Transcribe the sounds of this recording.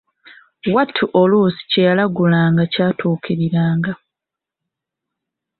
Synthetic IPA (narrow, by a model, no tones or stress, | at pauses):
watʰːuʔolusi̥cejalaɡulaːŋɡacaːtʰuːkiɾiɾaːŋɡa